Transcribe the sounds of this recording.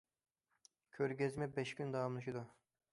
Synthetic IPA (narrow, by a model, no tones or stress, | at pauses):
kʲʰøɾɡʲɛzmɛbɛʃkʲynd̪ɑɑmlˠɨʃid̪u